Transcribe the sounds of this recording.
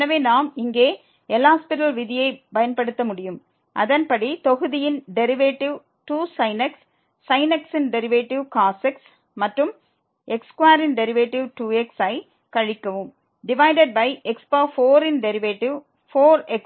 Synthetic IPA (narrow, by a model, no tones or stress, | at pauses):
nɐʋeːnaːmɪŋɡeː | ɛlaːspɪʈɐlʋɪðɪjɐɪpɐjɐnpɐɽɯt̪ːɐmʊɽɪjɯm | ʔɐ̰ðɐnpɐɽit̪ɔɣɯðɪjɪnɖɛɾɪʋeːʈːɪʋ | ʈuːsɐɪnɐksː | ɐɪnɐksɪnɖɛɾɪʋeːʈːɪʋkaːsɛks | mɐʈrɯm | ʔɛkskwaːɾɪnɖɛɾɪʋeːʈːɪʋʈuːɛksɐɪ | kɐɻɪkːɐʋɯm | ɖɪʋɐɪɖɛɖ̚bɐɪʔɛkspaːfoːɾɪnɖɛɾɪʋeːʈːɪʋ | foːɾɛk